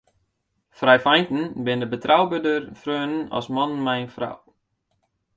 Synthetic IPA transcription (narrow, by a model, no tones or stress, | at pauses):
frɛjfajntn̩bɪndəbətrawbødərfrøːnnɔ̰smɔnmɛjnfra̰w